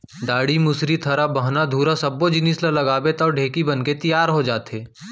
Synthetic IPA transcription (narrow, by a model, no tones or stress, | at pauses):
ɖaːɽimʊsɾit̪ʰɐɾabɐɦnad̪ʱuːɾasɐbːod͡ʒɪnislalɐɡaːbet̪ɔːɖʱeːkibɐnket̪ijaːɾɦod͡ʒaːt̪eː